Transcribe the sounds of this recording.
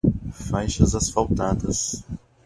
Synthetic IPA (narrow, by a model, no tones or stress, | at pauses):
fajʃɐzasfawt̪ad̪ɐs